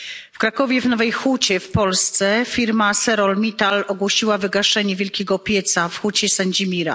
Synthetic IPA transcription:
fkɾakɔvʲjɛvnɔvɛjxut͡ɕɛfpɔlst̪sɛfʲiɾmasɛɾɔlmʲit̪alɔɡwɔɕiwavɘɡaʂɛɲɛvʲjɛlkʲɛɡɔpʲjɛt̪safxut͡ɕɛsaɲd͡ʑimʲiɾa̰

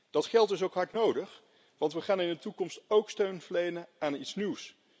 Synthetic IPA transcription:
d̥ɑtχɛlˠtdɵsowkɦaɹknowdəχ | ʋɑntʋəχaːnɪndətukɔmstowkstøɥnvəɹlejnəaːnitsniws

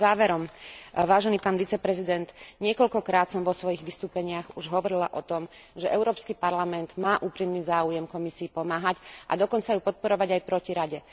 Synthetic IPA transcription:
zaːʋɛɾɔmʋaːʒɛniːpaːnʋit͡sɛpɾɛzid̪ɛnd̪ɲɪɛkɔʎkɔkɾaːt̪sɔmʋɔsʋɔjiɣʋist̪uːpɛɲɪaɣuʒɦɔʋɔɾila̰ʔɔt̪ɔmʒɛʔɛʊɾɔːpskipaɾlamɛnd̪̥maːʔuːpɾimniːzaːujɛmkɔmisiːpɔmaːɦacʔa̰d̪ɔkɔnt͡sajupɔt̪̚pɔɾɔʋaɟajpɾɔciɾaɟɛ

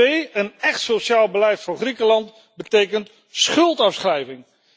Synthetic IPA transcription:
ejənɛχtsowʃaːlˠbəlɛjtfʊːɹχrikəlɑnt | bətejkənt | sχɵlˠtɑfsχrɛjvɪŋ

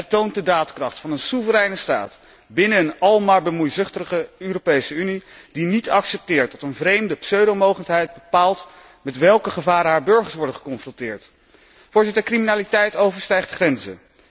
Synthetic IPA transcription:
ɛtownt̚dədaːtkrɑχtfɑnənsuvəɾɛjnəsta̰ːt | bɪnəːnɑlˠmaːɹbəmujzʏχtəəχəøːropejsəynid̥initɑksɛp̚tɪːɹtɔtənvrejmdəpsøɥdomowχəntɦɛjd̚bəpaːlˠt | mɛtʋɛlˠkəχəvaːɾənɦaːɹbɵɹχəɹsʋɔɹdəχə̥kɔnfrɔntɪːɹt | fʊːɹzɪtəɹkriminaːlitɛjtowvəɹstɛjχtχrɛnzə̰

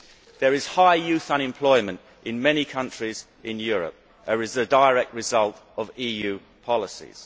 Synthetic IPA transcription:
ðəɹɪz̥haɪjʉˑθə̃ñɪ̃mpʰl̥ɔɪmə̃nt | ʔɪ̃nmɛnikʰʌ̃nt͡ʃɹ̥iz | ɪ̃njɔːɹə̰p̚ | əɹɪzðədəɪəɹɛk̚t̚ɹɪzʌlˠtəviːjʉː | pʰɒlɪsḭz̥

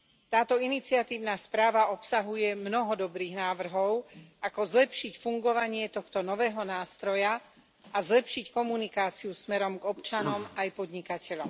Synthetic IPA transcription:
t̪aːt̪ɔinit͡siat̪iːʊnaːspɾaːʋaʔɔpsaɦujɛmnɔɦɔd̪ɔbɾiːɣnaːʋr̩ɦɔʊakɔzlɛpʃicfuŋɡɔʋaɲɪɛt̪ɔxt̪ɔnɔʋɛːɦɔnaːst̪ɾɔja | azlɛpʃickɔmunikaːt͡siusmɛɾɔmɡɔpt͡ʃanɔmajpɔd̪ɲikacʰɛʎɔm

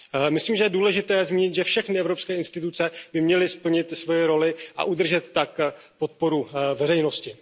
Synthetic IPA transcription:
mɪsliːmʒɛjɛduːlɛʒɪt̪ɛːzmiːɲɪt̪ʒɛfʃɛxnɪɛvɾopskɛːɪnst̪ɪt̪ut͡sɛbɪmɲɛlɪspl̩ɲɪt̪svo̞jɛɾo̞lɪʔa̰ʔud̪r̩ʒɛt̪ːak | pot̪̚po̞ɾuvɛrɛjnoscɪ

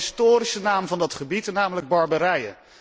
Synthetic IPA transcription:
stoːɾisənaːmvɑndɑtχəbitnaːmələɡ̚bɑɹbəɾɛjə̰n

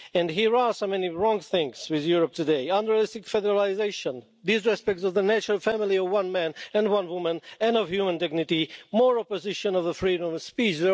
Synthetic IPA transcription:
ɨ̃nɦiɹəsomɛniɹɔ̃ŋθɪ̃ŋswɪðjʊɹəp̚tʰɨdeɪʌ̃ndəɹlɪstɨkfɛdəɹalɪzeɪʃə̃n | ðisɹɛspɛk̚tsʌvðənæt͡ʃəɹəlˠfæmɪlˠiʌvwʌ̃nmæ̃nɨ̃nwʌ̃nwʊmə̃nɨ̃nʌv̥hjʉmə̃ndɪɡ̚nɨtimɔɹɔpɨzɪʃə̃nʌvðəfɹiɾə̃mspit͡ʃðə

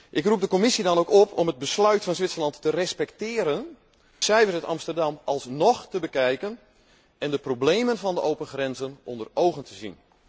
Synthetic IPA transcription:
ʔɪkrup̚dəkomɪsidɑnowkɔpʰɔməd̚bəslœɥtfɔnzʋɪtsərlɑnttərɛspɛktɪːɾən | sɛjvərstɑmstərdɑmɑlˠsnɔxtəbəkɛjkən | ɛndəproblejmənvɑndəʔowpənxrɛnzənʔɔndərowɣəntʰəzḭn

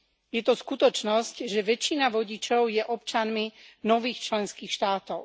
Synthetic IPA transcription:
jɛt̪ɔskut̪ɔt͡ʃnɔscʒɛʋɛt͡ʃːinaʋɔɟit͡ʃɔʊjɛʔɔp̚t͡ʃanminɔʋiːxt͡ʃlɛnskiːxʃt̪aːt̪ɔʊ

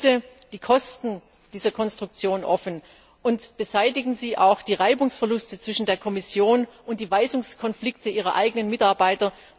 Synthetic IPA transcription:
təd̥iːkʰɔstn̩ | d̥iːzɐkʰɔnstʁ̥ʊk̚t͡sjoːnʔɔfn | ʔʊntb̥əzaɪtɪɡŋ̩ziːʔa̰ʊxd̥iːʁaɪbʊŋsfɛɐlʊstət͡sv̥ɪʃn̩deːɐkʰɔmɪsjoːnʔʊnt̚d̥iːvaɪzʊŋskʰɔnflɪktʰəʔiːʁ̞ɐ̰ʔa̰ɪɡənənmɪtaɐbaɪtɐ

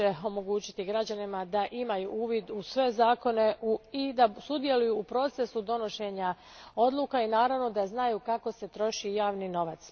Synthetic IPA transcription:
eo̞mo̞ɡuːt͡ɕi̥t̪iɡɾad͡ʑanimad̪aʔimajṵuːʋid̪usʋe̞zaːko̞ne̞uid̪asud̪je̞lujuːpɾo̞t̪se̞sud̪o̞no̞ʃe̞ɲa | o̞d̪lˠuːkainaːɾaʋno̞d̪aznajuːkako̞se̞t̪ɾo̞ʃijaːʋnino̞ʋat̪s

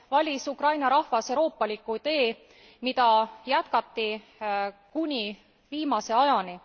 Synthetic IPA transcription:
vɑlʲisukrɑjnɑɾɑhvɑseɾo̞ːpːˑɑlʲikut̪e̞ː | mid̪ɑjæt̪̚kɑt̪ːˑi | kunʲi | viːmɑse̞ɑjɑni

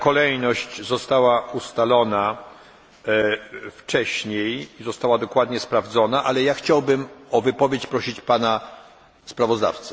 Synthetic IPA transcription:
kɔlɛjnɔɕt͡ɕzɔst̪awaust̪alɔna | ft͡ʂɛɕɲejizɔst̪awad̪ɔkwad̪ɲɛspɾavd̪zɔnaʔalɛjaxt͡ɕawbɘmɔvɘpɔvʲjet͡ɕpɾɔɕit͡ɕpana | spɾavɔzd̪a̰ft̪sɛ̥

